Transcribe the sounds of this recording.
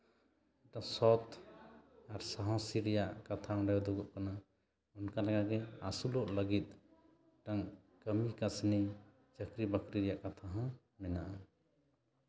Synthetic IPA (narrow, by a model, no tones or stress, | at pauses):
ɛʈasɔt̪ʰ | aɾsaɦɔ̃siɾjaʔkat̪ʰãɾɛd̪uɡɔʔkana | unkalaɡakɛasulɔʔləɡit̪̚ | ʈaŋ | kəmikasni | t͡ʃəkɾibəkɾiɾijaʔkat̪ʰaɦã | mɛnaʔa